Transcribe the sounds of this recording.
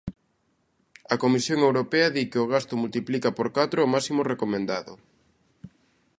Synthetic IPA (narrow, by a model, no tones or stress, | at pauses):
ɐkomisjoŋewɾopɛɐðikɪoɣ̞ast̪ʊmult̪iplikɐpoɾkat̪ɾoːmasimorekomẽnd̪aðʊ̰